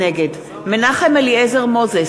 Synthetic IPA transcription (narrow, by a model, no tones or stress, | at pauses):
eɡed | menaχemeliezeʁmoze